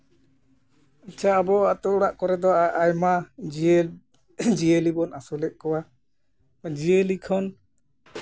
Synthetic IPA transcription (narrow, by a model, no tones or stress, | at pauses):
at͡ʃʰaːbɔat̪ɔɽaʔkɔɾɛd̪ɔaʔːjma | d͡ʒijəlibɔnasulɛʔ̚kɔwa | d͡ʒijəlikʰɔn